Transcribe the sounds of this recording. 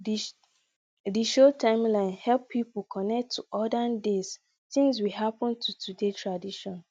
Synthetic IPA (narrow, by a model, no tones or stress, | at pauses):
d | diʃotʰãɪ̃mlãɪ̃nhɛlpʰːipolkʰɔnɛk̚tʰːuʔɔdandes | tĩŋs̬wiɦapɔ̃ntʰutʰudetʰɹadiʃɔ̃n